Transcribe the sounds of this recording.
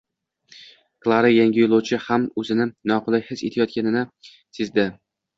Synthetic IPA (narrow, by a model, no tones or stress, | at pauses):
klˠaɾajaŋʲɪjolˠowt͡ʃʰɪhamɵzɪnɪnɒqʊlˠajhɪse̞̰t̪ʰajɒt̪̚kʲanɪnɪ | sɪzd̪ɪ